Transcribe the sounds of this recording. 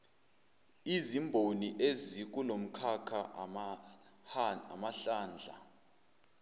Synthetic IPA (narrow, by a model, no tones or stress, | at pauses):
izimbʱoniʔezik̬ʼulom̩kʰakʰa | amaɬaːnd͡ɮʱa̰